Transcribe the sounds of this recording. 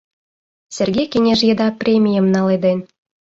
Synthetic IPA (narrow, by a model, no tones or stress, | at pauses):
sʲerɣʲejkeŋʲeʒjed̪ɑprʲemʲijəmnɑled̪en